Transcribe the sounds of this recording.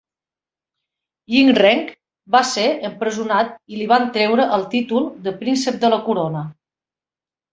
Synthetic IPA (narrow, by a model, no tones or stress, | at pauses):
iŋrɛŋk | baseəmpɾəzunat̪iliβant̪ɾɛwɾəʔəlˠt̪it̪ulˠd̪əpɾinsəp̚d̪ələkuɾonə